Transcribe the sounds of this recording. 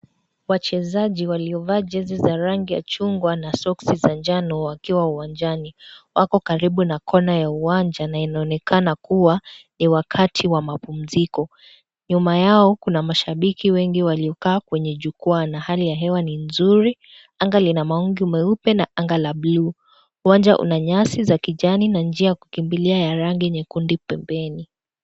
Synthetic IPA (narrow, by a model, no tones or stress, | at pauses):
wat͡ʃɛzaʄiwaliɔvaːd͡ʒɛzizaɾaŋɡija̰t͡ʃuŋɡwanasɔksizand͡ʒanɔwakiwauwand͡ʒaniwakɔkaɾiɓunakʰɔnajauwaɲd͡ʒanainaɔnɛkanakuwaniwakʰatʰiwamapum̩zikɔ | ɲumajaɔkunamaʃaɓikiwɛŋɡiwaliɔkaːkwɛɲɛʄukuɔanahalijaɦɛwaninzuɾi | aŋɡalinamaɔŋɡiumɛupɛnaʔaŋɡalabluː | uwaɲd͡ʒaʔṵnaɲasizakiʄaninand͡ʒiajaku̥kimbiliajaɾaŋɡiɲɛkundipɛmbɛni